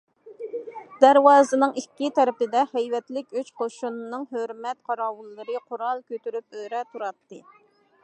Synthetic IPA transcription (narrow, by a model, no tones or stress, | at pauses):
d̪æɾwɑːzɨnɨŋikʲːit̪ʰɛɾɪpɪd̪ɛhɛjvɛt̪lɪkʲøt͡ʃqʰoʃunnɨŋɦøɾmɛt̪qʰɑɾɑːwulˠːɨɾɨqʰʊɾɑlˠkʲøt̪yɾypøɾɛt̪ʰuɾɑt̪ːɨ